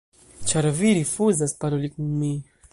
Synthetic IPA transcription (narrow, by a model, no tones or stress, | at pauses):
t͡ʃaɾaviɾifuzasi̥paɾulikumi